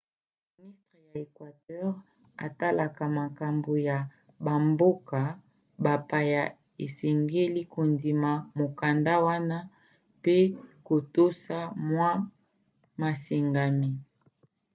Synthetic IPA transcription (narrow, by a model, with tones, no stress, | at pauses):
mi˨ni˦stʁe˨ja˨e˨kwa˨tɛ˦ʁ | a̰˨ta˦la˨ka˨ma˨ka˨mbo˨ja˨ | ba˨mbo˦ka˨ | ba˨pa˨ja˨ | e˨se˨ŋɡe˦li˦ko˨ndi˨ma˨mo˨ka˨nda˦wa˦na˦ | pe˦ko˨to˦sa˦mwa˦ | ma˨se˨ŋɡa˨mi˨